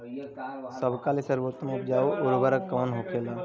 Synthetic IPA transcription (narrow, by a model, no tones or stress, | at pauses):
səbkaːlisəɾboːt̪meʊp̚d͡ʒaːoʔʊɾʋəɾəkːɔːnɦokʰeːlaː